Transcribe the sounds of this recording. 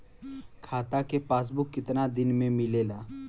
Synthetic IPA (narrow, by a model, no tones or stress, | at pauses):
kʰaːt̪akepaːs̬bʊkːɪt̪nad̪ɪnmẽmɪleːlaː